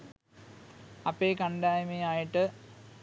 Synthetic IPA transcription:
ɐpːekɐɳɖaːjmejaːjiʈːɨ

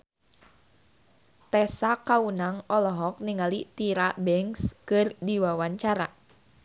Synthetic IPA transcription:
t̪ɛsakaunaŋɔlɔɦɔk̚niŋalit̪iɾabɛŋskɨrdiwawaɲt͡ʃaɾa

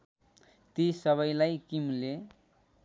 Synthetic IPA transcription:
t̪isʌβʌjlajkimle

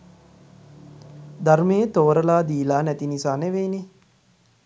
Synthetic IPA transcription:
d̪aɾmejət̪oːɾəlaːd̪iːlaːnɛt̪inisaːneʋeːne

